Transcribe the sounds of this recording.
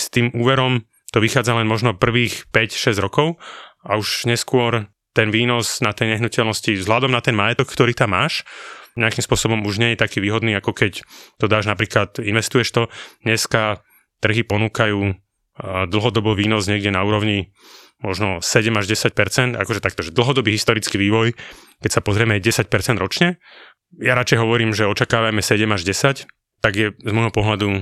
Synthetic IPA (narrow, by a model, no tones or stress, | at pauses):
st̪iːmʔuːʋɛɾɔm | t̪ɔʋixaːd͡zalɛnmɔʒnɔpr̩ʋiːxpɛcʃɛzɟɾɔkɔʊauʒɲɛskʊɔɾ | t̪ɛnʋiːnɔsnat̪ɛjɲɛɦnucɛlnɔscivzɦlad̪ɔmnat̪ɛnmajɛt̪ɔkkt̪ɔɾiːt̪amːaːʃɲɛakimspʊɔsɔbɔmuʒɲɛjɛt̪akiːʋiːɦɔd̪niːakɔkɛct̪ɔd̪aːʒnapɾiːklat̪inʋɛst̪ujɛʃt̪ɔɲɛska | t̪r̩ɦipɔnuːkajuː | d̪l̩ˠɦɔd̪ɔbɔːʋiːnɔzɲɛɡɟɛnauːɾɔʊɲi | mɔʒnɔsɛɟɛmaʒɟɛsac̚pɛɾt͡sɛnt̪a̰kɔʒɛt̪ak̚t̪ɔʒɛd̪l̩ɦɔd̪ɔbiːɦist̪ɔɾit͡skiʋiːʋɔj | kɛcsapɔzɾɪɛmɛjɟɛsac̚pɛɾt͡sɛnd̪ɾɔt͡ʃɲɛ | jaɾat͡ʃɛjɦɔʋɔɾiːmʒɛɔt͡ʃakaːʋamɛsɛɟɛmaʒɟɛsac | t̪aɡjɛzmɔjɦɔpɔɦlad̪u